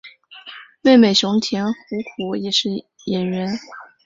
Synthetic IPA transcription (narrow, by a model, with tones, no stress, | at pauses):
me˥˩ɪme˨˩ɪʂʊ˧˥ŋt̪ʰjɛ˧˥nxu˧˥kʰu˧˥jɛ˨˩ʂɻ̩˥˩ | jɛ˨˩nɥɛ˧˥n